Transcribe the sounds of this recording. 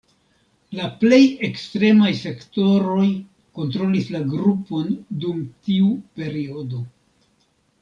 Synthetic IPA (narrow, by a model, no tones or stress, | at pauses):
laple̞je̞kstɾe̞majse̞kto̞ɾo̞j | ko̞nt̬ɾo̞lislaɡɾupo̞ndumtiupe̞ɾio̞do̞